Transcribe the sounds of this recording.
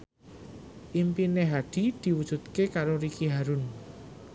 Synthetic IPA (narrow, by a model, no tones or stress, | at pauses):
ʔimpineɦaɖ̥i̤d̪̥i̤wud̥ʒ̥ṳt̪̚kekaɾoɾikiɦaɾun